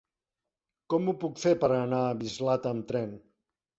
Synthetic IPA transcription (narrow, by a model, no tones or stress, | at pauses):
kɔmupukfeɾpəɾənaːβizlat̪əmt̪ɾɛn